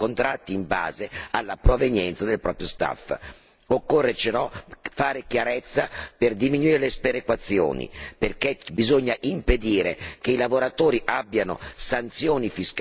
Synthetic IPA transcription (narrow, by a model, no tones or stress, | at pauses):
kont̪ɾat̪ːiːmba̰ːzealːapɾovenjɛnt̪sad̪elpɾɔ̰ːpɾjost̪a̰fː | okːorːet͡ʃenɔfaːɾekjaɾet̪sːaperd̪iminuiːɾelespeɾekwat̪sːjo̰ːnḭperkebizoɲːaʔimped̪iːɾekeilavoɾat̪oːɾiʔabːjano̰sant̪sjoːnifisk